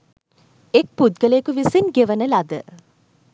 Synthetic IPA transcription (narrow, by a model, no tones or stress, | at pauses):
ek̚pud̪ɡələekuʋisinɡeʋənəlad̪ə